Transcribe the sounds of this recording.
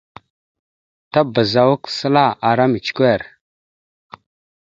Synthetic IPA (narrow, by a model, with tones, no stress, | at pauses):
ta˦bə˨za˨wu˦ksə˦la˦˨ʔa˨ɾa˦mi˨t͡ʃkʷe˦˨ɾ